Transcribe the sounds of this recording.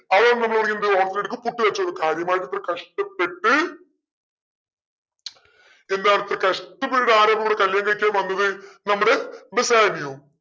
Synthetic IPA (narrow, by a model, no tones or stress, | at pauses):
ɐʋɐnnɐmɐɭpɐrɐkʲːund̪ɨoːɳt̪ːileɽɨkːɨpuʈːiʋɐt͡ɕːuoɾukaːɾjɐmaːjʈːɐt̪ːrɐkɐʂʈɐpːeʈːɨ | end̪aːnɐt̪rɐkɐʂʈːɐpːeʈːuɽaːɾɐːbɐkuɽekɐljɐŋɡɐkʲːaːmʋɐnːɐðɨnɐmːɐɽebesaːnijum